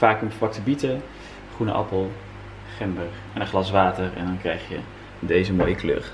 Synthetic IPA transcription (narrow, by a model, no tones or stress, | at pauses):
faːkəmflɑk̚təbitə | χrunə̰ʔɑ̰pəlˠ | χɛmbər | ɛnəχlɑsʋaːtərɛ̰ndɑnkrɛjχjə̰ | dejzəmoːjəklø̰χ